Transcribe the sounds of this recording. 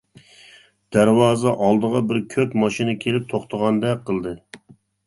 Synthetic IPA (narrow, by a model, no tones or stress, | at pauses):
d̪̥æɾwɑːzɑʔɑlˠd̪əʁɑbɪɾkʲʰøpmɑʃinɨkʲʰelɪp̚t̪ʰoχt̪ʰəʁɑnd̪ɛqʰːəlˠd̪ɨ